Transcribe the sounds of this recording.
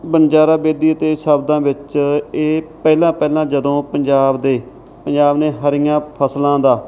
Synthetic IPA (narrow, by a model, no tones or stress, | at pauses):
bənd͡ʒaːɾaːbeːd̪iːət̪eːʃəbd̪ãːʋɪt͡ʃeːpɛːlãːpɛːlãːd͡ʒəd̪õːpəɲd͡ʒaːbd̪eː | pəɲd͡ʒaːbneːɦəɾɪjãːpʰəslãːd̪aː